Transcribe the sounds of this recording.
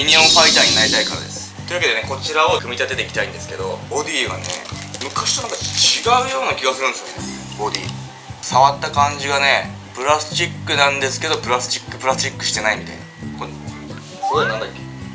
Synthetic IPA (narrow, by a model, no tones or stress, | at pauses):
iɲ̟iõ̞ɰ̃ɸait̪aːɲ̟inaɾit̪aikat̪a̰d̪e̞̰sɨ̥t̪o̞jɯ̟βaked̪e̞ne̞ko̞t͡ɕiɾao̞kɯ̟mʲit̪at̪e̞t̪ekʲit̪aĩnd̪e̞sɨ̥ke̞d̪o̞od̪ʲiːɡa̰nḛmɯ̟kaɕi̥t̪onãŋkat͡ɕiɡaɯ̟jo̞ːnakʲiɡasɨɾɯ̃nd̪esjo̰ne | o̞d̪ʲḭː | saβat̪ːakãɲ̟d͡ʑiɡane̞ | pɯ̟ɾast͡ɕikːɯnãnd̪e̞sɨ̥ke̞d̪o̞pɯ̟ɾasɨ̥t͡ɕi̥kːɯ̟pɾasɨ̥t͡ɕikːɯ̟ɕi̥t̪e̞naimʲit̪a̰jnako | soɾenãnd̪akʲːe̞